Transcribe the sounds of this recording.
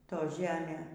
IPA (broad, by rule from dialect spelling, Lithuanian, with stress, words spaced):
ˈtoː ˈʒʲæːmʲeː